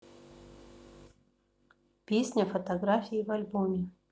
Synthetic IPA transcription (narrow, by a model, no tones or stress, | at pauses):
pʲesʲnʲəfət̪ɐɡɾafʲiːvɐlʲbomʲɪ